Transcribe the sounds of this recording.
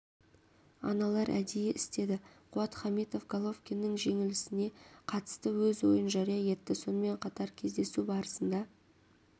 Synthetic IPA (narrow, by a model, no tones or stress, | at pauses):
ɑ̰nɑlˠɑɾʔæ̰d̪ejeʔɪst̪e̞d̪ɪqʰʊɑt̪χɑmit̪o̞fɡalˠo̞fkʲenːɪŋʒe̞ŋɪlɪsɪne̞qʰɑt̪ə̥st̪əwɵzwo̞̰jənʒɑɾijɑje̞t̪ːɪso̞nəme̞ɴqʰɑt̪ɑɾkʲʰe̞zd̪e̞subɑɾəsənd̪ɑ